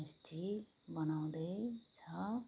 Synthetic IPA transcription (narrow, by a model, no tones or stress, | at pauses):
isʈʰi | bʌnaw̃d̪ʌjt͡sʰʌ